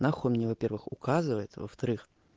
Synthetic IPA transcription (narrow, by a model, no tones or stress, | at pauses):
naxomnʲevɐpʲe̞rvɨxʊkazɨvəjɪt̪və̰ft̪ɐɾɨx